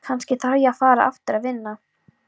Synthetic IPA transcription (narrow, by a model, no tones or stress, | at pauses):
kʰanscɪθaɾjafaːɾa̰ʔa̰ft̪ʏɾaðvɪnːa